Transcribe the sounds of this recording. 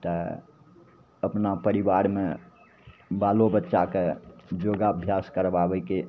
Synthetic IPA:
t̪ə | əpnapəɾiʋaɾme | balobətːʃaked͡ʒoɡaəbʱjaskəɾbabəjke

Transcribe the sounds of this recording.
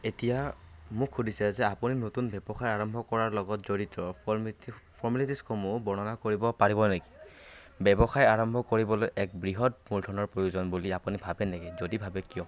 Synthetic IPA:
etijamʊkʰːudʱisɛzɛapuninotunbɛbɔxajaɹɔmbʱɔkɔɹaɹlɔɡɔtzoɹitɹɔ | fʰɔɹmilitiskʰomubɔɹnɔnakoɹibɔpaɹibɔneɡi̥ | bɛbɔxajaɹɔmbʱɔkoɹibɔlojʔɛk̚bɹiɦɔtmuldʰʱɔnɔɹpɹojuzɔnbuliapunibʱabɛnɛɡɛzodibʱabɛkijɔ

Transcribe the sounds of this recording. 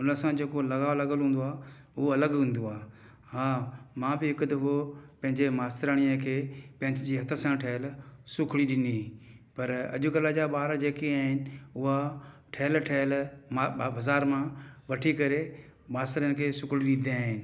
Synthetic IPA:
ʊnəsãd͡ʑeːkolɐɣaːlɐɡəlɦũːn̆d̪oaː | ʊɦoɐləɡɦũːn̆d̪oaː | ɦãːmãːbɪɦɪkʊd̪ɐfopɐ̃ɦɪ̃ɲd͡ʑemaːst̪ɾaːɽ̃ijəkʰeːpɐ̃ɦɪ̃ɲd͡ʑd͡ʑiːɦɐt̪ʰə̆sãʈʰɐɦɪlsʊkʰɽiɗɪnipɐɾɐ̰ʄʊ̆kɐləd͡ʑaɓaːɾd͡ʑeːkiaːɦɪnɪ̆ʊɦa | ʈʰɐɦɪlʈʰɐɦɪlmbɐzaːɾmãʋɐʈʰikɐɾe | maːst̪ɾjənɪ̆kʰeːsʊkʰɽiɗɪ̃nd̪iaːɦɪnɪ̆

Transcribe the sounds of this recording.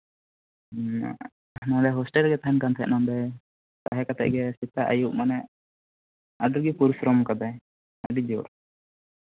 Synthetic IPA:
ɦnad̪ɛɦɔsʈɛlɡɛt̪aɦɛnkant̪ʰɛ̰ʔnɔmd̪ɛ | t̪aɦɛkat̪ɛ̰ʔɡɛsit̪aʔajuʔmanɛʔ | adɔɾɡipuɾisɾɔmkad̪aj | aɖid͡ʒɔɾ

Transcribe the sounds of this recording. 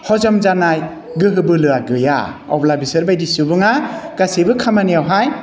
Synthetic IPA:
hɔzɔmzanaj | ɡɯɦɯbɯlɯaɡɯja̰ɔ̰wblabisɯɾbajdisubɯŋaɡ̥asebɯkʰamanijawɦaj

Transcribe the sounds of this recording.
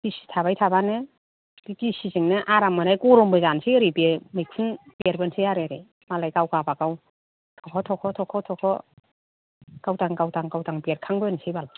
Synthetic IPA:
kisi̥tʰabajtʰabanɯ | b̥iɡisizɯŋnɯʔaɾamɯnajkɔɾɔmbɯzansejɾibemɯjkʰunbeɾbensejaɾeɾi | malajɡawɡabaɡaw | ɡawkʰɔtʰɔkʰɔtʰɔkʰɔtʰɔkʰɔ | ɡ̥awtaŋɡawtaŋɡawtaŋbeɾkʰaŋbɯnsejbal

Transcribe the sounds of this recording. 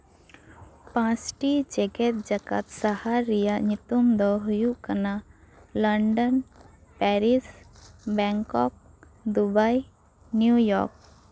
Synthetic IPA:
pãsʈid͡ʒeɡet̪̚d͡ʒəka̰t̪sahaɾijaɲit̪umd̪ɔɦujuʔkənaləɳɖənpɛɾisbɛŋkɔk̚ | d̪ubaj | njujɔ̰ɾk̚

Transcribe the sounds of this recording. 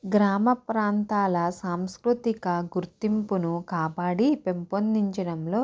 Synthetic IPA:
ɡɾaːmɐpɾaːnt̪aːlɐsaːmskɾut̪ikɐɡuɾt̪impunukaːpaːɽipempond̪iɲt͡ʃɐɽɐmlo̞ː

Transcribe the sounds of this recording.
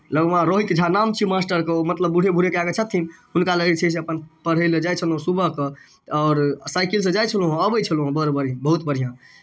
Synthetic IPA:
ləɡʋãɾoɦit̪d͡ʒʱanamt͡ʃʰimasʈəɾkemət̪ləbːuɽ̤ʱebʱuɽekeaɡet͡ʃʰət̪ʰːinɦunkaləɡit͡ʃʰɛs̬eəpənpəɽ̤əled͡ʒajt͡ʃʰəlɦũsubəɦkə | ɔːɾsajkils̬ə̃d͡ʒajt͡ʃʰəlũɦəbəjt͡ʃʰəlɦõbəɾbəɾ̤ijãbəɦut̪bəɽ̤ijã

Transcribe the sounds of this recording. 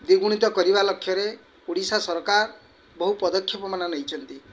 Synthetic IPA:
d̪iɡuɽ̃it̪ɔkɔɾibalɔkʰːjɔɾe | uɽisasɔɾɔkaɾ | bɔɦupɔd̪ɔkʰːjɔpɔmananejt͡ʃʰɔnt̪i

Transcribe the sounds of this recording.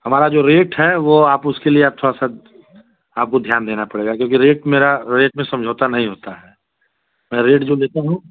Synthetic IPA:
hɐmaːɾad͡ʒoːɾeːʈɦɛʋoaːpʊskelieaːp̚t̪ʰoːɽasa | aːp̚kod̪ʱjaːnd̪eːnapɐɽeːɡakjõːkiɾeːʈmeːɾaɾeːʈmẽsɐ̃md͡ʒʱoːt̪anɐɦĩɦoːt̪aɦɛː | mɛ̃ːɾeːʈd͡ʒoːleːt̪aɦũ

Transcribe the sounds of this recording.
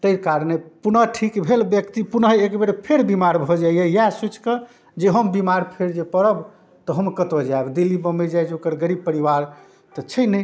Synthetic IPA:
t̪əkaɾnepunəʈʰikbʱelbjəkt̪ipunəɦekbeɾepʰeɾbimaɾbʱɔd͡ʒajjɛjasut͡ʃʰkə | d͡ʒeɦəmbimaɾpʰeɾd͡ʒepəɾəb | t̪ɔɦəmkət̪od͡ʒaebd̪ilːibəmed͡ʒajt͡ʃokəɾɡəɾib̚pəɾiʋaɾ | t̪ɔt͡ʃʰəjnəj

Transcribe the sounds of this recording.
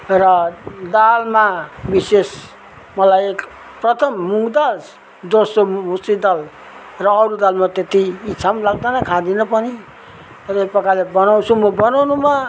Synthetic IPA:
rʌd̪almabises | mʌlajek | prʌt̪ʰʌmːuŋɡd̪al | d̪osomusid̪al | rʌːɾud̪almat̪et̪iːt͡sʰamlaɡ̚d̪anʌkʰad̪inʌpʌni | tʌjpʌkalebʌnaw̃t͡sʰumʌbʌnawnuma

